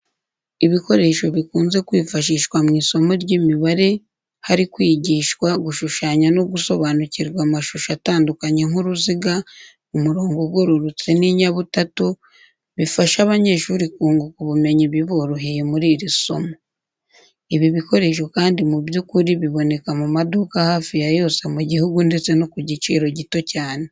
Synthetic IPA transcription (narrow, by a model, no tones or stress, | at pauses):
iβiko̞ɾe̞ʃo̞βikuːnze̞kwiːfaʃ̬iːʃkwamŋiːso̞mo̞ɾɟimiβaɾe̞ | haɾikwiːɟiːʃkwaɡuʃuʃaːɲanoɡuso̞βaːnuciɾɡwamaʃuʃataːndukaɲe̞ŋuɾuziɡa | umuɾoːŋɡoɡɡwoɾuɾut͡seniɲaβutatu | βifaʃaβaɲe̞ːʃuɾikuːŋɡokuβume̞ɲiβiβoɾuɦijemuɾiːɾiso̞̰mo | iβiβiko̞ɾe̞ʃ̬okaːndimuβjukuɾiβiβo̞ne̞kamumadukahaːfijajo̞ːse̞muɟihuɡunde̞t͡se̞nokuɟit͡ʃiːɾo̞ɟito̞caːne